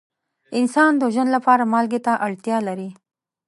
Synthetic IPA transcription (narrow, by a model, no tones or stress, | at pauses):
ɪnsɑnd̪əʒənlapɑɾamɑlɡet̪aʔaɽt̪jɑlaɾi